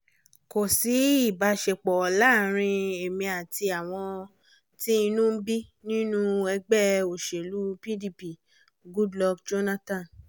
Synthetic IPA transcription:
ko˨si˨˦i˦˨ba˧ʃe˧k͡pɔ˨la˦˨ɾ̃ĩ˧e˨mĩ˧a˨ti˧a˨w̃ɔ̃˧ | ti˦i˧nũ˦bi˦nĩ˦nũ˦ɛ˧ɡ͡bɛ˦˨o˨ʃe˨lu˨˦pi˦di˦pi˨ | ɡu˦dlɔ˧kd͡ʒo˦na˦tã˦˨n

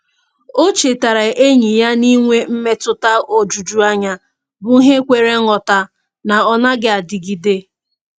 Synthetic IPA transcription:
o˦t͡ʃe˨ta˨ɾa˨e˦ɲi˨ja˦ni˦ŋʷe˦m̩˦me˦tʊ˨ta˦o˨d͡ʒu˨d͡ʒu˦a˦ɲa˦ | bʊ˨˦ɦe˦kʷe˨ɾe˦ŋɔ˨ta˨ | na˨ɔ˦na˦ɡɪ˦a˨dɪ˨ɡi˨de˦

